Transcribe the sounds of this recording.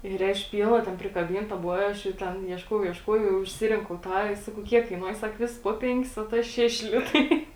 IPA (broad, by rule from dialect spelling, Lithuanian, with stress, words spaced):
ɪr ˈɛʃ ˈpʲiːlˠnɐ tʲɛn pʲrʲɪkɐˈbʲiːntɐ ˈbʊʋoː ɪ ˈɐʃ jɛʊ ˈtʲɛn iɛʃˈkuɔjɛʊ iɛʃˈkuɔjɛʊ jɛʊ ɪʃʲˈsʲɪrʲɪŋkɐʊ ˈtɑː ɪr ˈsɑːkɐʊ ˈkʲiɛk kɐɪˈnuɔjɛ ˈsɐk ˈʋʲɪsɐs poː ˈpʲɛŋʲkʲɪs oː ˈtɐ ˈʃʲæːʃʲɪ ˈlʲɪtɐɪ